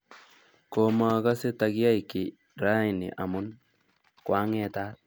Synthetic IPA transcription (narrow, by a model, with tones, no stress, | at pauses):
koma˨ka˦se˦taki˦a˦jki˨ | ɾa˦i˨nɪ̰˨ʔa˨mʊ˦n | kwa˦ŋɛ˦ta˦t̚